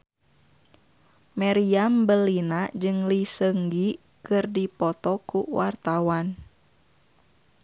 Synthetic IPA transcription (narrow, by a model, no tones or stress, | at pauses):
maɾiambəlinad͡ʒɨŋlisəŋɡi | kɨrdipɔt̪ɔkuwart̪awan